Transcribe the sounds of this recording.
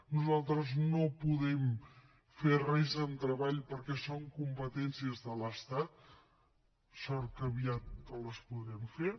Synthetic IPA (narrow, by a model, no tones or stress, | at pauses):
nuzalˠt̪ɾəznopuðɛm | ferɛzənt̪ɾəβaʎpəɾkɛsoŋkumpət̪ɛnsiəzðələst̪at̪̚ | sɔrkəβiat̪̚kələspuðɾɛmfe